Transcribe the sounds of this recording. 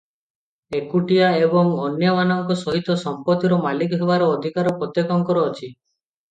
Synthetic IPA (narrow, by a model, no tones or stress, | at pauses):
ekuʈijaebɔŋɔnjɔmanɔŋkɔsɔɦit̪ɔsɔmpɔt̪iɾɔmalikɔɦebaɾɔːd̪ʱikaɾɔpɾɔt̪jekɔŋkɔɾɔːt͡ʃʰi